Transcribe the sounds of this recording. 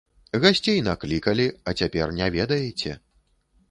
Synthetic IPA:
ɣasʲt͡sʲejnaklʲikɐlʲiɐt͡sʲapʲɛrnʲɛvʲɛd̪ɐjɛt͡sʲɛ̰

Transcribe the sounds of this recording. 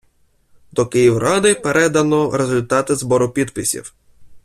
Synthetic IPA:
d̪ɔkɪjiwɾɑd̪ɪpeɾʔɛd̪ɐnɔɾezʊlʲt̪ɑt̪ɪzbɔɾʊpʲid̪pɪsʲḭw

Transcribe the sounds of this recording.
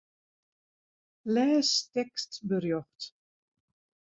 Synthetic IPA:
lɛːstɛkstbərjɔxt

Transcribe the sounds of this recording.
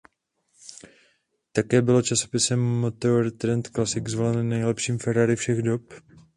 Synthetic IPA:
t̪akɛːbɪlo̞t͡ʃaso̞̥pɪsɛmːot̪oɾt̪ɾɛnt̪klasɪkzvo̞lɛnnːɛjlɛpʃiːmfɛɾaɾɪfʃɛɣdo̞p

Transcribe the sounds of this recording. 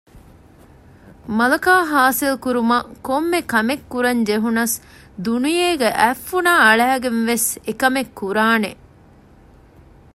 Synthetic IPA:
mɐlɐkaːɦaːsilkuɾumɐkomːekɐmekːuɾɐɲd͡ʒeɦunɐs | d̪unijeːɡeʔæfːunaːɐɭæːɡenʋesekɐmekʰːuɾaːne

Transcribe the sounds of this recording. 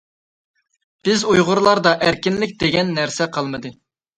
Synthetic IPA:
b̥ɪzujʁʊɾlˠɑɾd̪ɑʔæɾkʲinlɪk̚ʲd̪eɡʲɛnːæɾsɛqʰɑlˠmɨd̪ɨ

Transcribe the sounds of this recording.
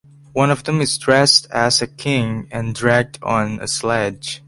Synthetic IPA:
wʌ̃nɔvdɛ̃mɨzdɹɛstæsɨkʰɪ̃ŋɨ̃ndɹæɡ̚tʰnɨ̰slɛ̥d͡ʒ

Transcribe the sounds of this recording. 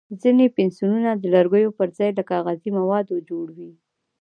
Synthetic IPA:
zinepensjununad̪əlaɾɡəjopəɾzɑjlakɑɣazimawɑd̪od͡ʒoɽwi

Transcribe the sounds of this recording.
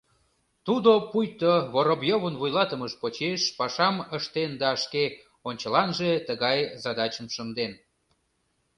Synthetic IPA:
t̪ud̪opujt̪oβoɾobjoβənβujlɑt̪əməʃpot͡ɕeʃpɑʃɑməʃt̪end̪ɑʃke | onʲt͡ɕəlɑnʒet̪əɣɑjzɑd̪ɑt͡ɕəmʃənd̪en

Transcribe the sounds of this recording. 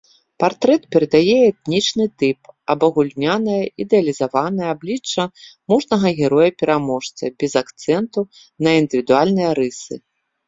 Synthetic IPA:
part̪ɾɛt̪̚pʲɛɾɐd̪ajɛɛt̪̚nʲit͡ʂnɨt̪ɨpɐbɐɣulʲnʲanɐjɐid̪ɛɐlʲizavanɐjɐablʲit͡ʂːɐmuʐnɐɣɐɣʲɛɾɔjɐpʲɛɾamɔʂt̪sɐbʲɛzakt̪sɛnt̪u | nɐind̪ɨvʲid̪ualʲnɨjɐɾɨsɨ̰

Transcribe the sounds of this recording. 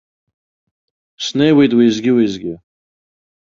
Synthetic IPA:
snewit̪wizɡʲiwizɡʲi

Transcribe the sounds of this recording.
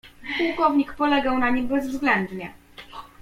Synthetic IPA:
puwkɔvɲikpɔlɛɡawnaɲimbɛzvzɡlɛnd̪ɲɛ

